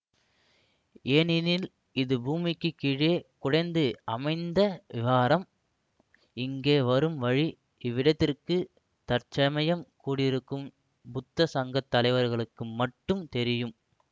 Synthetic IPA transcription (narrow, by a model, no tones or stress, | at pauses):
eːnɪnɪl | ɪðɯbuːmɪkːɯkiɻeːkʊɽɐɪnd̪ɯɐmɐɪnd̪ɐʋɪʋaːɾɐm | ɪŋɡeːʋɐɾɯmʋɐɻi | ɪʋːɪɽɐt̪ːɪrkɯ | t̪ɐɾt͡ʃɐmɐjɐmkuːɽɪɾɯkːɯm | bʊt̪ːɐsɐŋɡɐt̪ːɐlɐɪʋɐɾɣɐɭɯkːɯmɐʈːɯmt̪ɛɾɪjɯm